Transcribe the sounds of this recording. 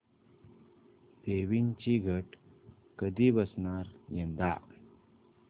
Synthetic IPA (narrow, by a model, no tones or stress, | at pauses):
d̪eʋint͡ɕiɡʱəʈ | kəd̪ibəsnaɾjə̃nd̪a̰